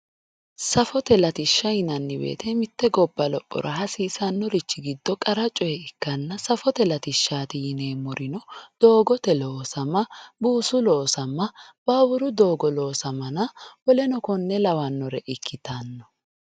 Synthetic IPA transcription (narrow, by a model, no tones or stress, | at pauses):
sɐfɔt̪ɛlɐt̪ɪʃːɐjɪnɐnːɪbḛːt̪ɛmɪt̪ːɛɡɔbːɐlɔpʼːɔ̰ɾʔɐɦɐsiːsɐnːɔɾɪt͡ʃːɪɡɪd̪ːɔkʼɐɾɐt͡ʃʼːɔjɛɪkːɐnːɐsɐfɔt̪ɛlɐt̪ɪʃːaːt̪ɪjɪne̞ːmɔɾʔɪnɔd̪̥o̞ːɡɔt̪ɛloːsɐmːɐbuːsʊloːsɐmːɐb̥aːwʊɾʊd̪o̞ːɡɔloːsɐmɐnɐwɔlɛnɔkɔnːɛlɐwɐnːɔɾɛʔɪkʰːɪt̪anːɔ